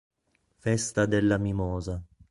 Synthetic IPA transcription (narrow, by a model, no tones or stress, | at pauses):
fɛst̪ad̪elːamimɔːza